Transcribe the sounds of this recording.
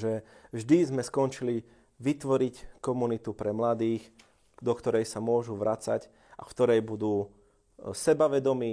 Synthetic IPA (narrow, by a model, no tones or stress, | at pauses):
ʒɛvʒd̪izmɛskɔnt͡ʃili | ʋit̪ʋɔɾickɔmunit̪upɾɛmlad̪iːx | d̪ɔkt̪ɔɾɛjsamʊɔʒuʋɾʔat͡sa̰c | a̰kt̪ɔɾɛjbud̪uː | sɛbaʋɛd̪ɔmiː